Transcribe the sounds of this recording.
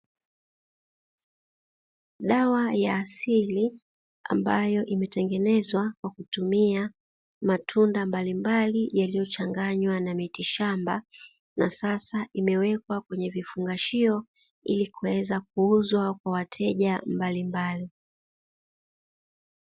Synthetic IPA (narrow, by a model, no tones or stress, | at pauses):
ɗawajaːsili | a̰mbajɔʔimɛtɛŋɡɛnɛzwakwakutumia | matʰundambalimbalijalijɔt͡ʃaŋɡaɲwanamitiʃamba | nasasaʔimɛwɛkwakwɛɲɛvifuŋɡaʃiɔ | ilikuwɛzak̚uuzwakwawatʰɛʄambalimbali